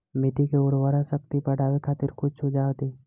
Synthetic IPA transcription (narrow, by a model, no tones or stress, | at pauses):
mɪʈ̪ikeʊɽwaːɾasək̚t̪ipəɖaːʋekʰaːt̪ɪɾkʊt͡ʃʰod͡ʒaːt̪iː